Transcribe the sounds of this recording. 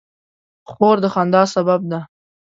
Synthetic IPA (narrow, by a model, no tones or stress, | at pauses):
χoɾd̪əχand̪ɑsabab̚d̪a